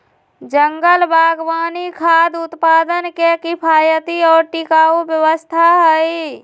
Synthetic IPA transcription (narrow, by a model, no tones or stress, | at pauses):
d͡ʒəŋɡəlbʱaːɡwaːnikʰaːd̪ʊt̪paːd̪ənkekipʰaːjət̪iɔːɾʈɪkaːubjəwəst̪ʰaɦəi